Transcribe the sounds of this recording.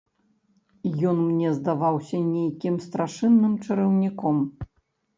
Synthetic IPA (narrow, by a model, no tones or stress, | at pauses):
jɔnmnʲɛzd̪avawsʲɐnʲejkʲimst̪ɾaʂɨnːɨmt͡ʂɨɾɐwnʲikɔm